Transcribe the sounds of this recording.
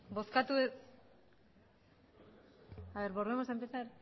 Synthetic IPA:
bo̞skat̪ues | aβeɾβo̞ɾβemosampesaɾ

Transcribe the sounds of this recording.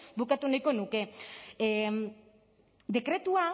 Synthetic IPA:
bukat̪unajko̞nuke̞ | d̪e̞kɾe̞t̪ua

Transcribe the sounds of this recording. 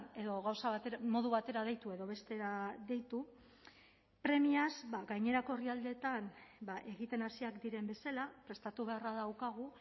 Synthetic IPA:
e̞ðo̞ɣawsaβat̪emo̞ð̞uβat̪e̞ɾaðe̞jt̪ue̞ðo̞βe̞st̪e̞ɾaðe̞jt̪u | pɾe̞miazbaɡajɲe̞ɾako̞riald̪e̞t̪anbaʔe̞ɣit̪e̞nasiakd̪iɾe̞mbe̞salapɾe̞st̪at̪uβe̞araðawkaɣ̞u

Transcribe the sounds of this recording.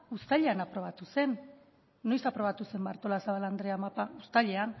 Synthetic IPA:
ust̪aʎe̞anapɾo̞β̞at̪use̞nː | o̞jsapɾo̞β̞at̪use̞mbaɾt̪o̞lasaβaland̪ɾe̞amapaust̪aʎe̞an

